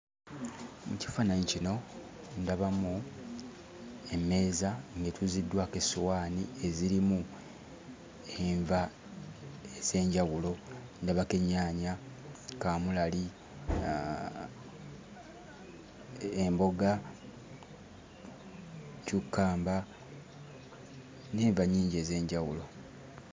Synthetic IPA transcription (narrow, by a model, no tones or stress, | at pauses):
muci̥fanaɲicino̞ | ndaβamu | e̞mːe̞ːzaŋɡetuzidːwakesuwaːnie̞ziɾimu | eɱva | ez̥e̞ːɲɟaɣulo̞ | ndaβake̞ɲaːɲa | kaːmulali | embo̞ɡa | cukːaːmba | neːɱvaɲːiːɲɟe̞ːze̞ːɲɟawulo̞